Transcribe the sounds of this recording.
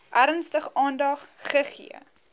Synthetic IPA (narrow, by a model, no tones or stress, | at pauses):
ʔæɾənstəχɑːndɑχχəχḭə̰